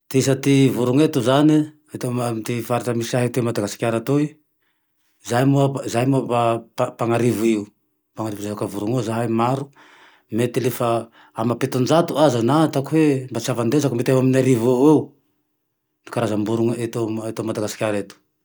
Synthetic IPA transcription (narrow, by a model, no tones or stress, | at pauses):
t̪iis̬at̪ivuɾuŋet̪uzani | at̪omit̪ifaɾaʈ͡ʂamisiaɦet̪emad̪aɡasi̥kʲaɾat̪oi | zajmuazajmuaaapaŋaɾiviu | paŋaɾivzevakavuɾuŋizaɦamaɾu | met̪ilefa | amapet̪und͡ʒat̪uazanat̪akwembat͡siavand̪ezakumet̪ewaminaɾivaweu | nikaɾazambuɾuŋet̪oet̪omad̪aɡasi̥kʲaɾet̪u̥